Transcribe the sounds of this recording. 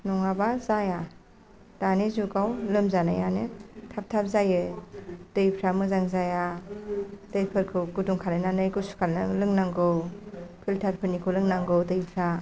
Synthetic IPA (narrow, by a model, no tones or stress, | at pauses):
nɔŋabazaja | d̥anizuɡawlɯmzana̰janɯtʰap̚tʰap̚zajɯtɯjpʰɾamɯzaŋzaja | tɯjpʰɯɾkʰɯɡuduŋkʰalajnanɯjɡɯsu̥kʰalnɯ̰lɯŋnaŋɡɯwpʰiltʰaɾpʰɯɾnikʰɯlɯŋnaŋɡɯwtɯjpʰɾa